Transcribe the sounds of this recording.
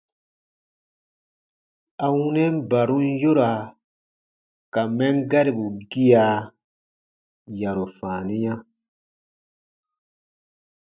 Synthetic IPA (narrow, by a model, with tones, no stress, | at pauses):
a˨wũ˦nɛ˦m˦ba˨ɾũ˦n˦jo˦ɾa˨ | ka˨mɛ̃˦ŋɡa˦ɾi˨bu˨ɡi˦a˨ | ja˨ɾo˨fãː˨nĩ˦ɲã˦